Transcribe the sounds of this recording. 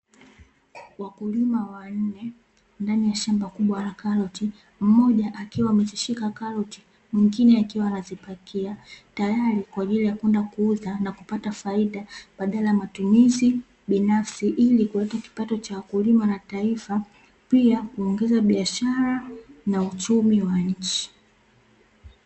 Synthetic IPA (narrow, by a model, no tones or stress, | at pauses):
wakulimawan̩nɛ | ndanijaʃambakuɓwalakalɔti | m̩mɔʄaʔakiwaːmɛziʃikakalɔti | mwiŋɡinɛakiwaːnazipakiatajaɾikwaːʄilijakwɛndakuuzanakupatafaiɗaɓaɗalajamatumizi | ɓinafsiʔilikulɛtaki̥patɔt͡ʃawakulimanataifa | piakuɔŋɡɛzaɓiaʃaɾanaut͡ʃumiwaɲ̩t͡ʃi̥